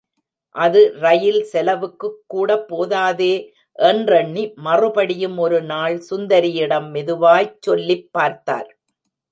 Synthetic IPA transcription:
ʔɐðɯɾɐjɪlsɛlɐʋɯkːɯkːuːɽɐpːoːðaːðeː | ʔɛndrɐɳːimɐrɯpɐɽɪjɯmɔɾɯnaːɭsʊnd̪ɐɾɪjɪɽɐmːɪðɯʋaːjt͡ʃːɔlːɪpːaːɾt̪a̰ːɾ

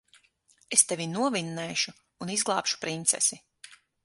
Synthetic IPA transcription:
est̪evʲinuɔvinːɛːʃuː | nizɡlˠɑːpʃu̥pɾint̪sɛ̰si

